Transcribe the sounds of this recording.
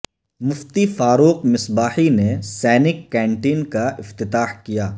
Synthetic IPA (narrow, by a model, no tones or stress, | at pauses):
mʊft̪ifaːɾuːqmɪsbaːhinesɛːnɪkːɛ̃ːɳʈiːnkaɪft̪ɪt̪aːhkijaː